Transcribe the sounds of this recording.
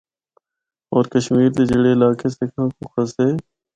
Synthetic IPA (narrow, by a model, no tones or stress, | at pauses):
ɔːɾkəʃmiːɾt̪eːd͡ʒeɽeːɪlaːkʰeːsekʰãːkoxəseː